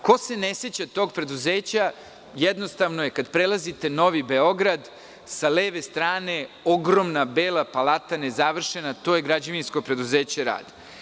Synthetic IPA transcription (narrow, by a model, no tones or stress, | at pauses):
ko̞se̞neset͡ɕat̪oːɡpɾe̞d̪uzeːt͡ɕa | jed̪nost̪aʋno̞jekad̪pɾelˠazit̪e̞no̞ʋibeo̞ɡɾad̪ | saleːʋe̞st̪ɾaːne̞o̞ɡɾomnabeːlˠapalat̪anezaʋr̩ʃenat̪o̞ːjeɡɾad͡ʑaʋinsko̞pɾe̞d̪uzeːt͡ɕeɾa̰ːd̪